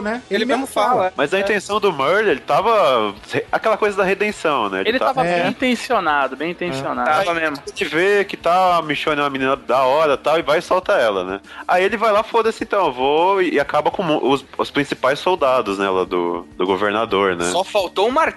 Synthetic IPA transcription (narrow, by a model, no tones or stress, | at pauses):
nɛelɪmemʊfalɐmazɐĩt̪ẽsɐ̃w̃d̪ʊmɛɾlelɪt̪avɐheakɛlɐkojzɐd̪ɐɦed̪ẽsɐ̃w̃nɛ̰ḛlɪelɪt̪aavɐbbẽj̃ĩnt̪ẽsionad̪ʊbẽj̃ĩt̪ẽsionaavɐmezmoɪvekɪt̪amĩʃõnɪũmɐmĩnĩnɐd̪ɐɔɾɐt̪awɪvajsawt̪aɛlɐnɛ̰ | aielɪvajlafod̪ɐsɪẽt̪ɐ̃w̃ewvoɪakabɐkõmʔʊsʊspɾĩsipajssowd̪ad̪ʊznɛ̰lɐd̪ʊ̰d̪ʊɡoveɾnad̪oɾnɛ̰sɔfawt̪oũmaɾ